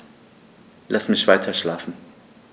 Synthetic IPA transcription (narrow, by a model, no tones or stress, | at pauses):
lʔasmɪçv̥aɪtʰɐʃlaːfn̩